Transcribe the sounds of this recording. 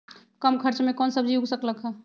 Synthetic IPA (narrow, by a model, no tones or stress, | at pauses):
kəmkʰəɾt͡ʃmekɔnsəb̚d͡ʒiuɡsəkləkɦə